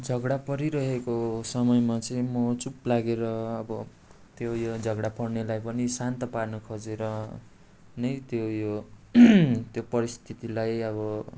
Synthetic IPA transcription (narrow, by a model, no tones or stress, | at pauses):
d͡zʱʌɡɽapʌɾiɾʌɦekosʌmʌjmat͡sʌj̃mʌt͡suplaɡeɾʌːbʌ | t̪jojod͡zʱʌɡɽapʌrnelajpʌnisant̪ʌparnʌkʰod͡zeɾʌ | nʌjt̪jojo | t̪jopʌɾist̪ʰit̪ilajʌbʌ